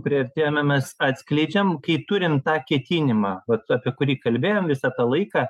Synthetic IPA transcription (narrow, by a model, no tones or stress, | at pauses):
pʲɾʲiɐrʲt̪ʲeːjomʲɛmʲɛsɑːt̪ʲsʲklʲɛɪd͡ʒʲɛmkɐɪt̪ʊɾʲɪmt̪ɑːkʲiɛt̪ʲinʲɪmɑʋɐt̪ɑːpʲiɛkʊɾʲiːkɐlʲbʲeːjoːmʋʲɪsɑːt̪ɑlˠɐɪkɑː